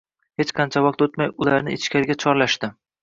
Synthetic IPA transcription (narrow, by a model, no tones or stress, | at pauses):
het͡ʃqʰɑnt͡ʃʰavɒq̚t̪ot̪majʊlaɾnɪɪt͡ʃkʲʰaɾɪɡʲat͡ʃʰɒɾlaʃt̪ɪ